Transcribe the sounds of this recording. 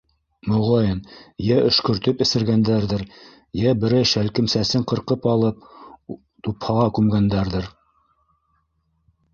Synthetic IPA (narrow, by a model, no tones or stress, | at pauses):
mŏʁɑjɤnjæʔɵ̆ʃkɵ̆ɾt̪ɵpɘ̆sɘ̆ɾɡænd̪æɾðɘɾ | jæbɘ̆ɾɘʃælkɘ̆msæsɘɴqɤ̆ɾqɤpɑlˠɤp̚ | t̪uphɑʁɑkʉmɡænd̪æɾðɘɾ